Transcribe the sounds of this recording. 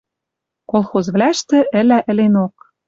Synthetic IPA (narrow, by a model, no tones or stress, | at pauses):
kolˠxozβlæʃt̪ɘ̆ʔɘ̆læʔɘ̆lenok̚